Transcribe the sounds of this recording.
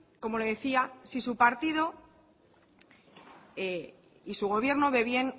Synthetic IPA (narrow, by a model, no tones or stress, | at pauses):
ko̞mo̞le̞ðe̞θiasisupaɾt̪ið̞o̞ | e | isuɣ̞o̞β̞je̞ɾno̞βe̞βje̞n